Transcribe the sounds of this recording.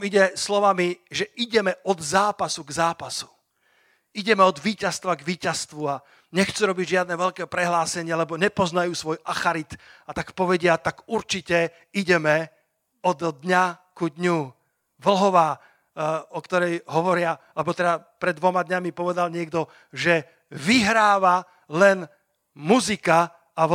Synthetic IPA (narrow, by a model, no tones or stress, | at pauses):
miɟɛslɔʋamiʒɛʔiɟɛmɛʔɔd̪zaːpasuɡzaːpasu̥ | iɟɛmɛɔd̪ʋiːcast̪ʋaɡʋiːcast̪ʋua | ɲɛxt͡suɾɔbiɟʒɪad̪̚nɛʋɛʎkɛːpɾɛɦlaːsɛɲɪalɛbɔɲɛpɔznajuːsʋɔjʔaxaɾit̪at̪akpɔʋɛɟɪat̪aɡuɾt͡ʃicɛ | iɟɛmɛ | ɔd̪d̪ɲakud̪ɲu | ʋl̩ɦɔʋaː | ɔkt̪ɔɾɛjɦɔʋɔɾɪa | lɛbɔt̪ɛd̪apɾɛd̪ːʋɔmad̪ɲamipɔʋɛd̪alɲɪɛɡ̚d̪ɔ | ʒɛ | ʋiɦɾaːʋa | lɛn | muzika | a